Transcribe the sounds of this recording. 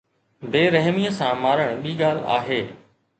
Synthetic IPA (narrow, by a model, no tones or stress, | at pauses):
beːɾɐɦmiːəsãmaːɾəɽ̃ɓiːɠaːl̤a̰ːɦeː